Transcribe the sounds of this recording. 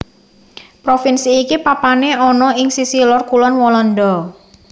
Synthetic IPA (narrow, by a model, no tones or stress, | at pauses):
pɾofinsiːkipapaneɔnɔɪŋsisilɔrkulɔnwɔlɔndɔ